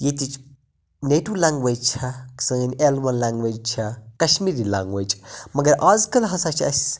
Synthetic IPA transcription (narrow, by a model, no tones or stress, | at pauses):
jet̪it͡ʃʰ | neʈulãːŋɡʋed͡ʒt͡ʃʰɐksɐŋɐnʲelwɐnlaːŋɡʋeːd͡ʒt͡ʃʰɐkɐʃmiːɾilã̰ːŋɡwʋeːd͡ʒmɐɡɐɾʔaːzkɐlɦɐsat͡ʃʰɐsʲ